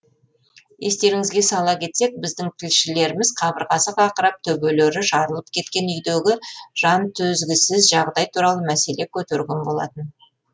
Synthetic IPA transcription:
je̞st̪e̞ɾɪŋɪzɡʲe̞sɑlˠɑkʲʰe̞t̪se̞k̚bɪzd̪ɪŋt̪ʰɪlʃɪle̞ɾɪmɪzqʰɑbəɾʁɑsəqɑqəɾɑp̚t̪ʰɵbøleɾɪʒɑɾəlˠəp̚kʲʰe̞t̪kʲe̞nʏjd̪eɡʲɪʒ̥ɑnt̪ʰɵzɡʲɪsɪzʒɑʁd̪ɑjt̪ʰuɾɑlˠəmæse̞le̞kʲʰɵt̪eɾɡʲe̞nbo̞lˠɑ̰t̪ən

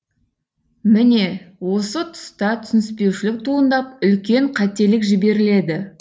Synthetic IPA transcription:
mɪne̞wo̞sət̪ʰʊ̥st̪ɑt̪ʰʏsnɪspe̞wʃɪlɪk̚t̪ʰuənd̪ɑp̚ʏlkʲe̞ɴqʰɑt̪e̞lɪkʒɪbe̞ɾɪle̞d̪ɪ

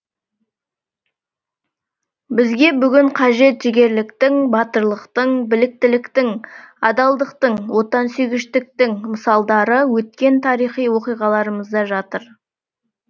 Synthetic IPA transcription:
bɪzɡʲe̞bʏɡʲɪɴqʰɑʒe̞t̪ʒ̥ɪɡʲe̞ɾlɪkt̪ɪŋbɑt̪əɾlˠəqt̪əɴbɪlɪk̚t̪ɪlɪkt̪ɪŋɑd̪ɑlˠd̪əqt̪əɴwo̞t̪ɑnsʏjɡʲɪʃt̪ɪk̚t̪ɪŋməsɑlˠd̪ɑɾəwɵt̪̚kʲe̞nt̪ʰɑɾijχijwo̞qijʁɑlˠɑɾəməzd̪ɑʒɑt̪əɾ

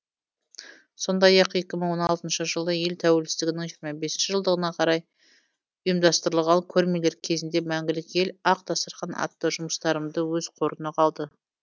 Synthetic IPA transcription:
so̞nd̪ɑjɑqje̞kʲɪməɴwo̞nɑlˠt̪ənʃəʒəlˠəje̞lt̪ʰæwe̞lsɪst̪ɪɡʲɪnɪŋʒijɾmɑbe̞snʃɪʒəlˠd̪əʁənɑqʰɑɾɑj | ʊjəmd̪ɑst̪əɾəlˠʁɑŋkʲʰɵɾmele̞ɾkʲʰe̞zɪnd̪e̞mæŋɡʲɪlɪkʲje̞lɑq̚t̪ʰɑsəɾqɑnɑ̰t̪ːəʒʊməst̪ɑɾəmd̪əwɵz̥qʰo̞ɾənəqʰɑlˠd̪ə

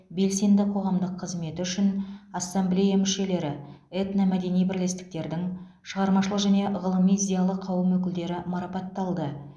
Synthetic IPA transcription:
be̞lse̞nd̪ɪqʰo̞ʁɑmd̪əqʰːəzme̞t̪ɪʏʃɪnɑsːamblʲejamʏʃe̞le̞ɾɪet̪namæd̪e̞nijbɪɾle̞st̪ɪ̥k̚t̪e̞ɾd̪ɪŋ | ʃəʁɑɾmɑʃəlˠəqʒæne̞ʁəlˠəmijzʲejalˠəqʰːɑwəmwɵkʲɪld̪e̞ɾɪmɑɾɑpɑt̪ːɑlˠd̪ə

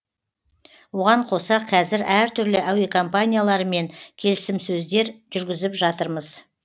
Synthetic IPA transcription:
wo̞ʁɑɴqʰo̞sɑqʰɑzɪɾæɾt̪ʰʏɾlɪʔæwekʰo̞mpanʲijalˠɑɾəme̞ŋkʲʰe̞lɪsɪmsɵzd̪e̞ɾʒʏɾɡʲɪzɪpʒɑt̪əɾməz

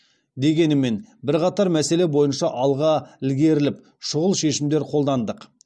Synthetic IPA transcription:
d̪e̞ɡʲe̞nɪme̞nbɪɾqɑt̪ɑɾmæse̞le̞bo̞jənʃɑʔɑlˠʁɑɪlɡʲe̞ɾɪlɪp | ʃʊʁəlˠʃe̞ʃɪmd̪e̞ɾqʰo̞lˠd̪ɑnd̪əq

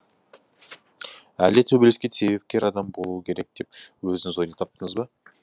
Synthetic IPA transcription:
æld̪et̪ʰɵbeleskʲese̞βbe̞p̚kʲe̞ɾɑd̪ɑmbo̞lˠuwəkʲʰe̞ɾe̞k̚d̪̥e̞p̚wɵzɪŋɪzojd̪et̪ʰɑp̚t̪əɴəzbɑ

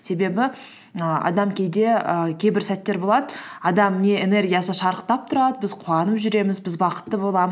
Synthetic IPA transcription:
se̞be̞bɪ | əɑ̰d̪ɑmkʲʰe̞jd̪e̞əkʲʰe̞jbɪɾsæt̪ːe̞ɾbo̞lˠɑd̪əɑd̪ɑmne̞ene̞rɡʲijasəʃɑɾəq̚t̪ɑp̚t̪ʰʊɾɑd̪əbɪzqʰuɑnəpʒʏɾe̞mɪzbɪzbɑqə̥t̪ːəbo̞lˠɑməz

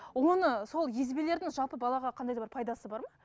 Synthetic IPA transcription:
wo̞nəso̞lˠje̞zbele̞ɾd̪ɪŋʒɑlˠpəbɑlˠɑʁɑqʰɑnd̪ɑjd̪ɑbɑɾpʰɑjd̪ɑsəbɑɾmɑ

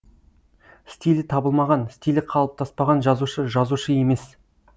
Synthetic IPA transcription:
st̪ijlɪt̪ʰɑbəlˠmɑʁɑnst̪ijlɪqʰɑlˠəp̚t̪ʰɑspɑʁɑnʒɑzuʃəʒɑzuʃəje̞me̞s

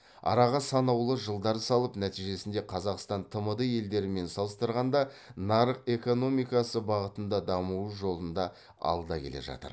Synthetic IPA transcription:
ɑ̰ɾɑʁɑsɑnɑwlˠəʒəlˠd̪ɑɾəsɑlˠəpnæt̪ijʒe̞sɪnd̪e̞qʰɑzɑqst̪ɑnt̪ʰəməd̪əje̞ld̪e̞ɾɪme̞nsɑlˠəst̪əɾʁɑnd̪ɑnɑɾəqe̞ko̞no̞mijkɑsəbɑʁət̪ənd̪ɑd̪ɑmuwuʒo̞lˠənd̪ɑ | ɑ̰lˠd̪ɑkʲʰe̞le̞̰ʒɑ̰t̪ə̰ɾ

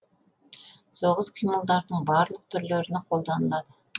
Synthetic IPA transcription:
soʁəzqʰijməlˠd̪ɑɾd̪əɴbɑɾlˠəq̚t̪ʰʏɾløɾyneqʰo̞lˠd̪ɑnəlˠɑd̪ə

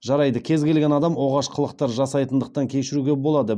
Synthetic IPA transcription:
ʒɑɾɑjd̪əkʲʰe̞zɡʲe̞lɡʲe̞nɑd̪ɑmwo̞ʁɑʃqʰəlˠəq̚t̪ɑɾʒɑsɑjt̪ənd̪əqt̪ɑŋkʲʰe̞ʃɪɾuɡʲe̞bo̞lˠɑd̪ə

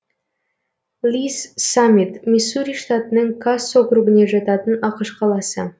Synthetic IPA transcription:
lʲissamʲit̪mʲesuɾʲijʂt̪at̪ənəŋkʰasoɡrubɪneʒɑt̪ɑt̪ənɑqəʃqʰɑlˠɑsə̰

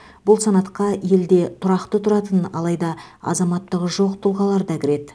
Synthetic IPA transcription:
bʊlˠsɑnɑt̪qɑje̞ld̪e̞t̪ʰʊɾɑqt̪ət̪ʰʊɾɑt̪ənɑ̰lˠɑjd̪ɑɑ̰zɑmɑt̪ːəʁəʒo̞qt̪ʰʊlˠʁɑlˠɑɾd̪ɑkʲʰɪɾe̞d̪

